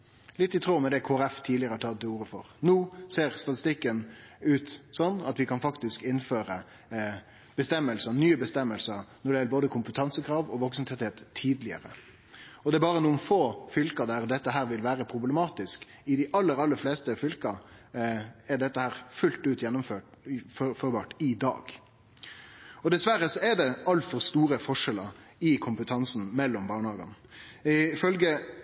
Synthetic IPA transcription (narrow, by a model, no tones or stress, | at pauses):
lɪt̪ːɪt̪ʰɾoːmɛd̪ɛkʰoːæɾɛft̪ʰiːɪəɾəhɑʈʰɑt̪̚ːɪuːɾəfɔ̰ɾnuːseːʁst̪ɑt̪ɪ̥st̪ɪkːənʉːt̪sɔnːɑt̪ʋɪkʰɑnfɑkt̪ɪskɪnføːɾə | b̥əst̪ɛmːəlsənyːəbəst̪ɛmːəlsəɾnɔɖɛjɛləboːd̪əkʰʊmpət̪ʰɑnsəkʰɾɑːʋɔʋɔksənt̪ʰɛt̪heːt̪ʰːiːd̪lɪə̰ɾə̰ | ɔd̪ɛæɾbɑːɾənuːənfoːfʏlkɑd̪æɾd̪ɛt̪ːəɦæːɾʋɪlʋæːɾəpʰɾʊblɛmɑːt̪ɪsk | ɪd̪ɪʔɑlːəɾɑlːəɾfleːst̪əfʏlkɑ | ɛɖɛt̪ːəhæːɾfʉlt̪ʉːt̪jɛnːʊmføːʈffɔɾbɑ̰ːʈɪd̪ɑ̰ːɡ | ɔd̪ɛsʋæɾːəsɔɛd̪ɛɑlt̪fɔɾst̪uːɾəfɔʂɛlɑ | ɪkʰʊmpət̪ʰɑnsn̩mɛlːɔmbɑːɳhɑːɡɑ̰n | ɪfœlɡə